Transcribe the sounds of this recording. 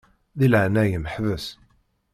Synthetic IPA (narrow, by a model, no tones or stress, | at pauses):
ðilʕnæjəməħvəs